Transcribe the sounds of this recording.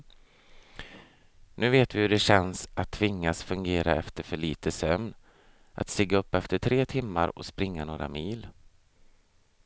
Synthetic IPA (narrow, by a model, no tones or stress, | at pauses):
nʉ̟ːveːt̪vɪhɵɖɛɕɛnsʔat̪ʰːvɪŋːasfɵŋɡeːɾa̰ɛft̪əɾfœɭiːt̪ʰəsœmn | ʔa̰t̪st̪ɪɡːaɵpːɛft̪əʈʰɾeːt̪ʰɪmːaɾɔ̰spɾɪŋːanoːɾa̰miːl